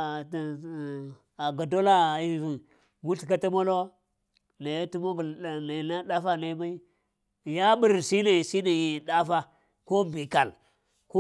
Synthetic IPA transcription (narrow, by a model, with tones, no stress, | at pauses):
a˨ɡa˨do˦la˦˨i˨ | ɡu˦ɬi˨ka˦ta˦mo˦lo˦ | na˨jtu˦mo˦bu˨lna˨na˦ɗa˦fa˦na˨˦ma˦i˦ | ja˦bi˨ɾsi˦na˨si˦na˨ji˨ɗa˦fa˦ | ko˦bi˨ka˨l | ko˦